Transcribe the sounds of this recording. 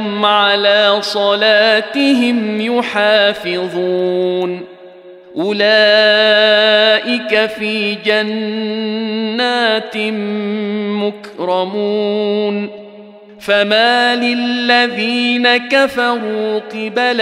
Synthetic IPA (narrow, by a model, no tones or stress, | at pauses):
mʕalaːsˤɑlaːt̪ɪɦɪmjʊħaːfɪðˤun | ʔʊlaː | ʔɪkafiːd͡ʒan | aːt̪ | mʊkɾɑmuːn | famaːlɪlːaðiːnakafɑɾuːqɑbl